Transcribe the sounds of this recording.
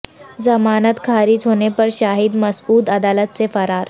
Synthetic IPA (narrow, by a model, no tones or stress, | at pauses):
zɐmaːnət̪kʰaːɾid͡ʒɦonepəɾʃaːɦid̪mɐsuːd̪ɐd̪aːlət̪̚sefɐɾaːɾ